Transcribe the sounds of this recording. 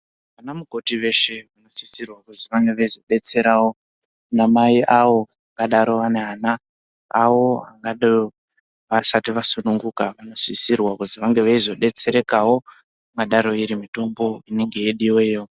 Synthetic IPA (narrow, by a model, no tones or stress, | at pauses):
aʋanamuɡʱo̞tiʋe̞ʃe̞ʋano̞sisirwakuziʋaŋɡe̞ʋaizo̞ɗe̞t͡se̞ɾawo̞ | namaiʔawo̞ | akaɗaɾo̞ʋane̞ɦana | awo̞aŋɡaɗo | ʋasatiʋasunuŋɡukaʋano̞sisirwakuziʋaŋɡe̞ʋaizo̞ɗe̞t͡se̞ɾe̞kawo̞ | ŋaɗaɾo̞iɾimito̞mbo̞ine̞ŋɡe̞jeɗiwejo